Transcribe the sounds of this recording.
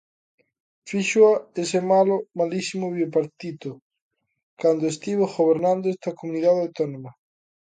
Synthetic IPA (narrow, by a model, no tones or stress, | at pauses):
fiʃoaesemalomalisimoβiopaɾt̪it̪o | kand̪oest̪iβoɣoβeɾnãnd̪oest̪ɐkomuniðaðawt̪onomɐ